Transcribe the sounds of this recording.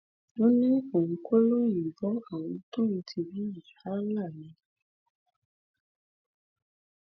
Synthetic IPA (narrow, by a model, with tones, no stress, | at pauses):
nõ˦nĩ˦õ˨˧ko˦lo˦ji˨vɔ˨˦a˦˨w̃ɔ̃˧to˦ĩ˧tʰi˧bi˨˦ji˨ha˨˦la˦˨nĩ˨˧